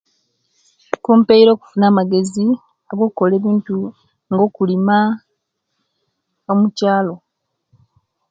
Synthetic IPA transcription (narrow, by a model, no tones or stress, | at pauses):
kuːmpe̞iɾo̞ːku̥funaːmaɡe̞zi | aɡo̞kuko̞leːβiːntu | ŋɡo̞ːkulima | omucaːlo̞